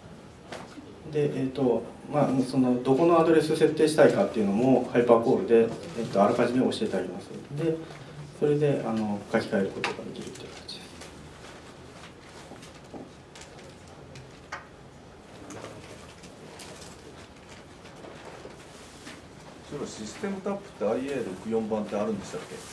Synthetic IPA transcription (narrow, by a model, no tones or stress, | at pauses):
d̪e̞ʔeːt̪o̞ | maso̞no̞d̪o̞ko̞no̞ad̪o̞ɾe̞sɨse̞t̪ːe̞ːɕi̥t̪aikat̪ːe̞iɯ̟no̞mo̞haipako̞ːɾɯ̟d̪e̞ːt̪ːo̞aɾɯ̟kaʑimeo̞ɕie̞t̪aɾʲimasɨ̰d̪e̞so̞ɾe̞d̪e̞ʔano̞kakʲi̥kae̞ɾɯ̟ko̞t̪o̞ɡa̰d̪e̞kʲiɾɯ̟t̪ːejɯkat̪ḁt͡ɕi̥d̪̥e̞sɨ̥ | soɾoɕisɨ̥t̪e̞mɯ̟t̪apːɯ̥t̪ːeaieːɾo̞kɯ̟jõ̞mbãnt̪e̞aɾɯ̟nd̪e̞ɕt̪akːe̞